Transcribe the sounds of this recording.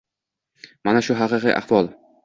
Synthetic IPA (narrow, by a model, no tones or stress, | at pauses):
manaʃʊɦɑqɨqɨʔa̰hvɒlˠ